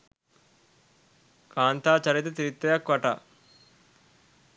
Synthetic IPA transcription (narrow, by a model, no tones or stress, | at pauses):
kaːnt̪aːt͡ʃɐɾit̪ɐt̪iɾit̪ːɐjɐkʋɐʈa̰